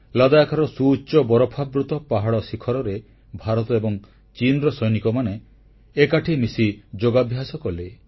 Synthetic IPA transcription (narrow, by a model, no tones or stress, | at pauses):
lad̪ajkʰaɾɔsuːt͡ʃɔbɔɾɔpʰabɾut̪ɔpaɦaɽɔsikʰɔɾɔɾe | bʱaɾɔt̪ɔebɔŋ | t͡ʃinɾɔsɔjnikɔmane | ekaʈʰimisid͡ʒoɡabʱjasɔkɔle